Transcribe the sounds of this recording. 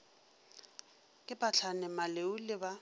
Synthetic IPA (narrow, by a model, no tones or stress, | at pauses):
kʼɪpʼat͡ɬʰanɛmaleulɪba